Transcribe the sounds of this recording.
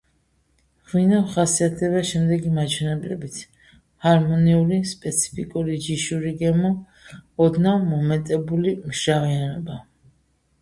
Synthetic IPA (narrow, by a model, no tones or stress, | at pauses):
ʁwinavχasiat̪ʰd̪ɛβaʃɛmd̪ɛɡimat͡ʃʰwɛnɛblɛbit̪sʰ | haɾmɔniulispʼɛt̪sʰi̥pʰikʼuɾid͡ʒiʃuɾiɡɛmɔ | ɔd̪namɔmɛt̪ʼɛbulimʃavianɔba